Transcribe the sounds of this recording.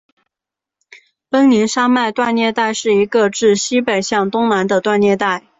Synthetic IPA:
pə˥ŋni˧˥nʂa˥ma˥˧ɪt̪wa˥˧njɛ˥˧t̪a˥˧ɪʂɻ̩˥˩i˧˥ɡə˧ʈ͡ʂɻ̩˥˩ɕi˥pe˨˩ɪɕjɑ˥˩ŋt̪ʊ˥ŋna˧˥nd̪ə˧t̪wa˥˧njɛ˥˧t̪a˥˩ɪ

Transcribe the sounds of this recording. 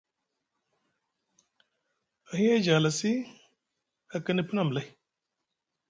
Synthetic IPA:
a˨hi˦e˦d͡ʒaː˨la˨si˦ | a˨kə˦ni˦pɨ˦na˦˨m˨la˦j

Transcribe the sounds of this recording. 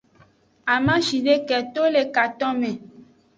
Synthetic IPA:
a˨mã˦ʃi˨ɖe˦kɛ˨t̪o˦le˨ka˨t̪ɔ̃˦mɛ̃˨

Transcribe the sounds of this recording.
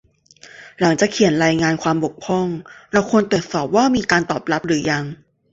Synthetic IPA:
la˩˦ŋt͡ɕaː˨˩kʰi˨˩˦ənɾaː˧jŋaː˧nkʰwaː˧mbo˨˩k̚pʰɔ˥˩ŋɾa˧˥˩wkʰo˧nt̪u˨˩ət̪̚sɔː˨˩p̚waː˥˩miː˧kaː˧nt̪ɔː˨˩p̚la˦˥p̚ɾɯː˩˦ja˧ŋ

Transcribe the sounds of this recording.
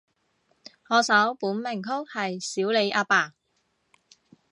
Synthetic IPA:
hɔː˨˧sɐ˨˥wpuː˨˥nmɪ˨˩ŋkʰʊ˥k̚hɐ˨jsiː˨˥wle˨˧jʔaː˧paː˨˩

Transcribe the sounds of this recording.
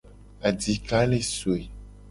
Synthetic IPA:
a˨di˨ka˦le˦so˨e˨

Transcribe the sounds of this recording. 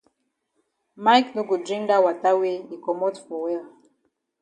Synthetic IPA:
ma˦jknu˦ɡu˨dɾi˦nda˦wa˨ta˦we˦i˨kɔ˨mɔ˦tfɔ˨wɛ˦l

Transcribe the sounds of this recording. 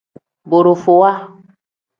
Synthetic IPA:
bo˨ɾo˨fo˨wa˦

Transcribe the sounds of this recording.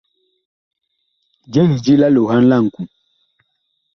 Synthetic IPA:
d͡ʒɛ˦ni˨d͡ʒi˦la˦lo˨ɦa˦n̩˦la˦˨ŋ̩˨ku˨

